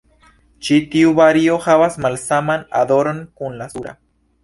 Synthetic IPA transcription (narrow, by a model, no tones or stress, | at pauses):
t͡ʃit̪iuβaɾiohaβasmalsamana̰d̪oɾonkunlasuɾa̰